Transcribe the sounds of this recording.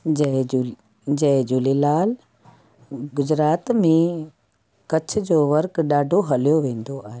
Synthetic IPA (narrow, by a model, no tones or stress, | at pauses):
d͡ʑɐd͡ʑu | d͡ʑɐ̃ɦd͡ʑuːlelaːl | ɡʊd͡ʑɾaːt̪mẽ | kɐt͡ɕʰʊ̆d͡ʑoːʋɐɾkɗaːɖʱoɦɐlijoʋẽːn̆d̪oʔaːɦeː